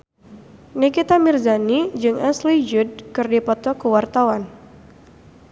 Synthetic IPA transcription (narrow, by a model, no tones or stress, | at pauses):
nikit̪amirzanid͡ʒɨŋaslid͡ʒud̚kɨrdipɔt̪ɔkuwart̪awan